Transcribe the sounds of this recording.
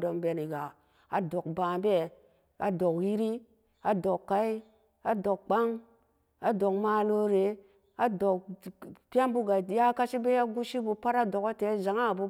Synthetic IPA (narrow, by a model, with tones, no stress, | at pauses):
do˨mbe˨ni˨ɡa˨ | a˨do˨k̚ba˨be˦ | a̰˨do˨kji˦ɾi˦ | a˨do˨kːa˨i˦ | a˨do˨k̚k͡pa˦ŋ | a˨do˨kma˨lo˦ɾe˨ | a˨do˨kpʲa˦nbu˦ɡa˨ja˦ka˦ʃi˦be˦ja˦ɡu˦ʃi˦bu˧pa˦ɾa˦do˨ko˦te˨˦za˨ŋa˦˨bu˦